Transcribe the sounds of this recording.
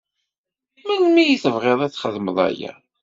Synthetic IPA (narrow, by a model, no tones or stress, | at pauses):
mənmijiθəvʁeðˤæθːχəðməðˤæ̰jæ̰